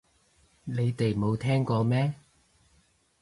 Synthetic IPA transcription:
ne˨˧jt̪e˨jmo˨˧wt̪ʰɛː˥ŋkɔː˧mɛː˥

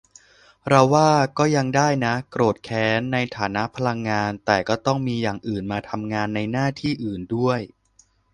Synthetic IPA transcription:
ɾa˧wːaː˥˩kɔː˥˩ja˧ŋdaː˥˩jna˦˥kɾoː˨˩t̪̚kʰɛː˨˦˥nːa˧jt̪ʰaː˩˦na˦˥ʔpʰa˧la˧ŋːaː˧nt̪ɛː˨˩kɔː˥˩t̪ɔ˥˩ŋmiː˧jaː˨˩ŋʔɯː˨˩nmaː˧t̪ʰa˧mŋaː˧nːa˧jnaː˥˩t̪ʰiː˥˩ʔɯː˨˩ndu˥˩əj

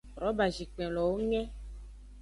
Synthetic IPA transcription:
ɾɔ˨˦ba˨d͡ʒi˨k͡pɛ̃˨lɔ˨wo˦ŋɛ̃˦

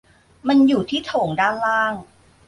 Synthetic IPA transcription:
ma˧njuː˨˩t̪ʰiː˥˩t̪ʰoː˩˦ŋdaː˥˩nlaː˥˩ŋ

